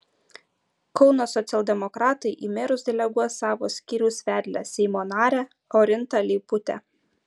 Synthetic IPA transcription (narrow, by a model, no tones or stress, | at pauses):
kɔʊnoːsɔt̪sʲɛlˠʲd̪ʲɛmɔkɾɑːt̪ɐɪʔiːmʲeːɾʊsd̪ʲɛlʲɛɡuɔsɑːʋo̰ːsʲkʲiːɾʲuʊsʲʋʲæːd̪ʲlʲɛsʲɛɪmoːnɑːɾʲæː | ɔɾʲɪnt̪ɑlʲɛɪpʊt̪ʲɛ̰